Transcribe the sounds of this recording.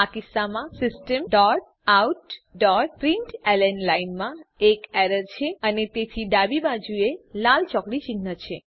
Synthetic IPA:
akɪsːamãsɪsʈəmɖɔɾʈ | auʈɖɔɾʈpɾiɳʈɛlənlainmãekɛɾəɾt͡ʃʰeənet̪et̪ʰiɖ̪abibad͡ʒuelalt͡ʃɔkɽit͡ʃiɡnət͡ʃʰe

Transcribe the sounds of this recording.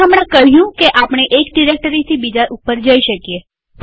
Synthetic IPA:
əmɽ̃ãkəɦjũkeʔapɽ̃eʔekɖiɾek̚ʈəɾit̪ʰibid͡ʒaʔupːəɾd͡ʒəiʃəkije | p

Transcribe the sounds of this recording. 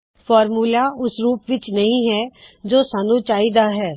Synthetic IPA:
pʰɔːɾmuːlaːʊsɾuːpʋɪt͡ʃnəɦĩːɦɛːd͡ʒoːsaːnũːt͡ʃaːiːd̪aːɦɛː

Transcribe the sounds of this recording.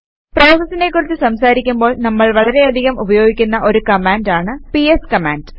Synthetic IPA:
pro̞ːsɐsːinekːurit͡ɕ̪ːɨsɐmsaːɾikʲːumbo̞ːɭnɐmːɐɭʋɐɭɐɾe̞ɐd̪ʱiɣɐmubɐjo̞ːɡikʲːunːɐʔo̞ɾukɐmaːndaːɳɨpieskɐma̰ːnd

